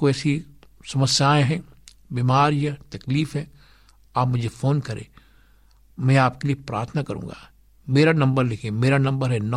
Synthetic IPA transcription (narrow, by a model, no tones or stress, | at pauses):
koɛːsi | sɐməsjaːẽɦɛ̃ | biːmaːɾijət̪ɐkliːfɦɛ̃ː | aːpmʊd͡ʒʱefoːnkɐɾḛ̃ː | mɛ̃aːpkeliepɾaːɾt̪ʰənakɐɾṵ̃ːŋɡa̰ː | meːɾanɐ̃mbəɾlɪkʰẽmeːɾanɐ̃mbəɾɦɛn